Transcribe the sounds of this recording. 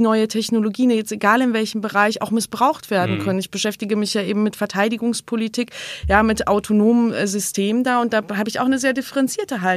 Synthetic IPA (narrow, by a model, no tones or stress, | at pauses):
nɔʏətʰɛçnoloɡiːənjɛt͡steɡaːlɪnvɛlçəm̩bəʁaɪça̰ʊxmɪsb̥ʁaʊxtv̥eːɐdn̩kʰœnənɪçb̥əʃɛftɪɡəmɪçjaːʔeːbm̩mɪtfɛɐtʰaɪdɪɡʊŋspʰolitʰiːkjaːmɪtʔaʊtʰonoːməmzʏstʰeːməndaːʊntd̥aːɦaːbəɪça̰ʊxnəzeːɐdɪfəʁɛnt͡siːɐtəɦal